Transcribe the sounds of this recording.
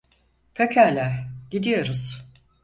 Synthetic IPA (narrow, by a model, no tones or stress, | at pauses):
pʰekʰælʲæɟ̥id̪ijo̞ɾuz̥